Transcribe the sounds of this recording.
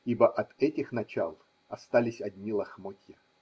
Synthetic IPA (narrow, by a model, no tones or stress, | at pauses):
ibəʔɐt̪ɛtʲɪxnɐt͡ɕa̰lˠ | ɐst̪alʲɪsʲɐdʲnʲilˠɐxmotʲjɪ